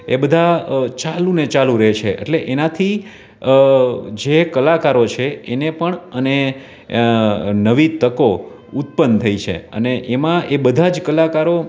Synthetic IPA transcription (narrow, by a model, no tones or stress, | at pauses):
ebəd̪ʱat͡ʃalũnet͡ʃalũɾəɦet͡ʃʰeʔḛʈleʔenat̪ʰi | d͡ʒekəlakaɾot͡ʃʰeenepəɳəne | nəʋit̪əko | ut̪̚pənt̪ʰəit͡ʃʰḛə̰neʔemãʔebəd̪ʱad͡ʒkəlakaɾo